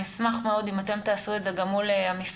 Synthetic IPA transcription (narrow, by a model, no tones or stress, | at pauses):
nismaχmeo̞d̪imat̪e̞mt̪aːsuetze̞ɡamuleamis